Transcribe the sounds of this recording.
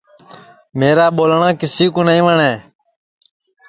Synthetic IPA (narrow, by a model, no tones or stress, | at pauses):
meːɾaːɓoːlɳãːkɪsiːkũːnəĩːʋəɳeː